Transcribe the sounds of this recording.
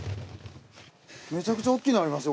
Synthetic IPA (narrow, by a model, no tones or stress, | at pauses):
me̞t͡ɕakɯ̟t͡ɕao̞kʲːinaɾimasɨ